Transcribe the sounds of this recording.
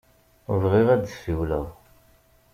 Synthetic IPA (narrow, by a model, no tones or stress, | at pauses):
vʁiʁæd̪siwlæ̰ʁ